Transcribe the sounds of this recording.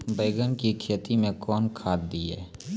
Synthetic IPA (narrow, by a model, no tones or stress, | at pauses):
beːɡənkikʰeːt̪imẽkɔːnkʰaːd̪̚d̪iɛ̰ː